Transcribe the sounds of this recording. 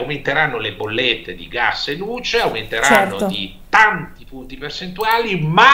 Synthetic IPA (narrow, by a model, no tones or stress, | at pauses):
wment̪eɾanːolebolːet̪ːed̪ḭɡasːelːuːt͡ʃeawment̪eɾannːod̪it̪ant̪ipunt̪ipert͡ʃent̪uaːlima